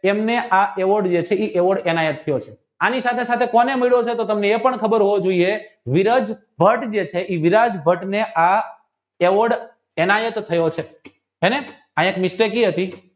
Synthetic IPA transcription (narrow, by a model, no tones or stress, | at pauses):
emneʔaʔeʋəɾɖd͡ʒet͡ʃʰeiʔeʋəɾɽɛnajət̪ʰːəjot͡ʃʰe | anisat̪ʰesat̪ʰekɔnemiɭot͡ʃʰet̪ot̪əmneːpəɳkʰəbəɾɦoʋod͡ʒoieʋiɾad͡ʒ | bʱəʈd͡ʒet͡ʃʰeʔiʋiɾad͡ʒbʱəʈneʔa | eʋəɾɖ | enajət̪ʰːəjot͡ʃʰe | ene | ãekmisʈekiɦət̪i